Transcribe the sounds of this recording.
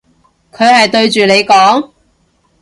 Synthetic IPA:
kʰɵ˨˧ɥhɐ˨jt̪ɵ˧ɥt͡ʃyː˨nle˨˧jkɔː˨˥ŋ

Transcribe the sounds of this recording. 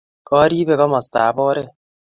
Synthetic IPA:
kɔː˦ɾiːbe˨ɣɔ˦mɔ˨st̪a̰ː˨bɔː˦ɾe˦

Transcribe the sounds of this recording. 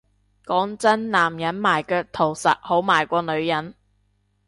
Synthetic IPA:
kɔː˨˥ŋt͡sɐ˥nlaː˨˩mjɐ˨˥nmaː˨˩jkœː˧k̚t̪ʰo˨˩wsɐ̰˨t̚ho˨˥wmaː˨˩jkʷɔː˧nɵ˨˧ɥjɐ˨˥n

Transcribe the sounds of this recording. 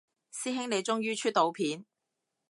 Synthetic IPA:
siː˥ɦɪ˥ŋne˨˧jt͡ʃʊ˥ŋjyː˥t͡ʃʰyː˥t̚t̪o˨˧wpʰiː˨˥n

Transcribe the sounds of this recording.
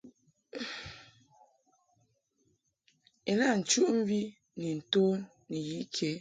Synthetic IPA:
e˨na˦˨n̩˨t͡ʃu˦ʔm̩˦vi˦ | ni˨n̩˨to˦nːi˨ji˦ʔkʰe˦

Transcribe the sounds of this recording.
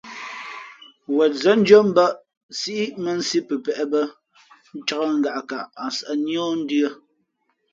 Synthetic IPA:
wɛ˨t̚zə˦n̩˦d͡ʒo˦m̩˦ba˦ʔ | si˦ʔi˦mə˦n̩˦si˦pə˨pɛ˨ʔɛ˦bə˦ | n̩˦t͡ʃa˦ɣə˦ŋ̩˦ɡa˨ʔka˨ʔa˨sʔa˨njɔ˦n̩˦dɰə˦

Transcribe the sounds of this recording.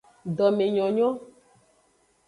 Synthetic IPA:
ɖɔ˨me˨ɲɔ̃˨ɲɔ̃˦

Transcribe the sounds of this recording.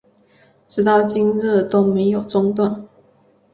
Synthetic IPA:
ʈ͡ʂɻ̩˥t̪ɑ˥˩ʊt͡ɕi˥ŋɻə˥˩t̪o˥ʊme˨˧˥ɪjo˨˩ʊʈ͡ʂʊ˥ŋt̪wa˥˩n

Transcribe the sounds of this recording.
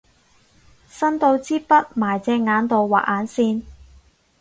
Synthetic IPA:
sɐ˥nt̪o˧wt͡siː˥pɐ˥t̚maː˨˩jt͡sɛː˧ŋaː˨˧nt̪o˨wːa̰ː˨˩ʔaː˨˥nsiː˧n

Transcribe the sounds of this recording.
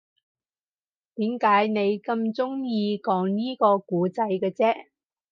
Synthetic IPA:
t̪iː˨˥mkaː˨˥jne˨˧jkɐ˧mt͡sʊ˥ŋjiː˧kɔː˨˥ŋniː˥kɔː˧kuː˨˥t͡sɐ˧jkɛː˧t͡sɛː˥

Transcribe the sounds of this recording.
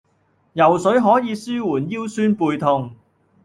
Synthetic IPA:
jɐ˨˩wsɵ˨˥ɥɦɔː˨˥jiː˨˧syː˥wuː˨˩njiː˥wsyː˥npuː˨˧jt̪ʰʊ˧ŋ

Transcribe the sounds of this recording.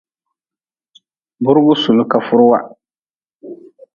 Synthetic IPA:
bʊ˦ɾʊ˦ɡʊ˦sʊ˨nʊ˦ka˨fʊ˦ɾʊ˦wa˦

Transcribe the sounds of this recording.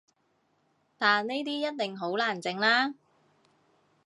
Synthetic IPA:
t̪aː˨nne˥jt̪iː˥jɐ˥t̚t̪ɪ˨ŋɦo˨˥wlaː˨˩nt͡sɪ˨ŋlaː˥

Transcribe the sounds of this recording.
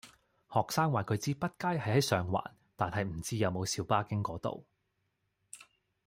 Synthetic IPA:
hɔː˨k̚saː˥ŋwaː˨˩kʰɵ˨˧ɥt͡siː˥pɐ˥t̚kaː˥jɦɐ˨jhɐ˨˥jsœː˨ŋwa̰ː˨˩n | t̪aː˨nɦɐ˨jm̩˨˩t͡siː˥jɐ˨˧wmo˨˧wsiː˨˧˥wpaː˥kɪ˥ŋkɔː˨˥t̪o̰˨w

